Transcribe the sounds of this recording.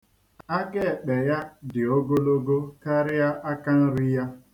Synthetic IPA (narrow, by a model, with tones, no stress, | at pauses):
a˦ɡe˦e˨k͡pe˨ja˦dɪ˨o˦ɡo˦lo˦ɡo˦ka˦ɾɪ˦ja˦ʔa˦ka˦n̩˦ɾi˦ja˦